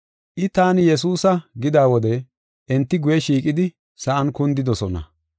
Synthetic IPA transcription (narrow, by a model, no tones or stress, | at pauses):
ʔɪt̪aːnjɛs̬uːsɐɡɪd̪aːwɔd̪ɛ | ʔɛnt̪ːɪɡʊjɛʃiːkʼɪd̪ɪ | sɐʔɐnkʊnd̪ɪd̪ɔsɔnɐ̰